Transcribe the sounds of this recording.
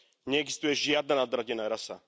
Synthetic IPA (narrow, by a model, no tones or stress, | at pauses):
ɲɛɛɡzi̥st̪ujɛʒjad̪̚nanad̪ɾaɟɛnaɾasa̰